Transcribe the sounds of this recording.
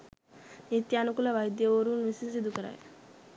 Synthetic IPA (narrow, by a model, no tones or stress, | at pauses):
nit̪jaːnukulɐʋɐjd̪jɐʋoːɾunʋisisid̪ukɐɾa̰ːj̰